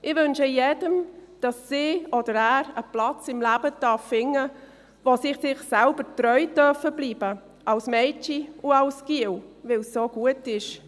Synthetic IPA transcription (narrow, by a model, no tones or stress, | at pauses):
ʔɪvʏnʃəjedəmd̥ɑssiːɔdəɾæːɾəplɑt͡sɪmlæːbədɑfːɪŋːə | vosɪχsɪχsɛlbəɾtɾœʏdœfəbliːbə | ʔɑlsmɛɪt͡ʃiʊɑlskiwvɪlsːoːɡ̥uətɪʃ